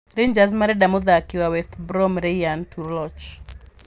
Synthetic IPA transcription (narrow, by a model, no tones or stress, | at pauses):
ɾeɲd͡ʒazmaɾɛdamɔðakɪwawɛstbɾɔmɾɛjantʰuɾlɔt͡ʃ